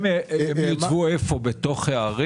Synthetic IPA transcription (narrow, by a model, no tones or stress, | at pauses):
ejot͡svuefobet̪o̞χeaʁi